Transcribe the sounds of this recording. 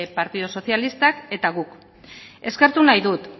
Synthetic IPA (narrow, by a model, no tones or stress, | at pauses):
epaɾt̪iðoso̞θjalist̪ake̞t̪aɣ̞uk | e̞ske̞ɾt̪unajðut̪